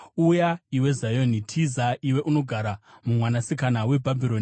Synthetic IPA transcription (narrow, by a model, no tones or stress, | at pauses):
ujaiwe̞zajonitʰizaʔiwe̞ʔuno̞ɡʱaɾamumwanasikanawe̞bʱabʱiɾoni